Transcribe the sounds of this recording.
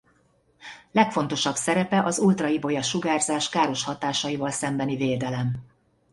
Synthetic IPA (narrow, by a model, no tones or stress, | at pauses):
lɛkfo̞n̪t̪o̞ʃɒbsɛɾɛpɛʔɒzult̪rɒibo̞jɒʃuɡaːrzaːʃkaːɾo̞ʃhɒt̪aːʃɒjivɒlsɛmbɛniveːd̪ɛlɛm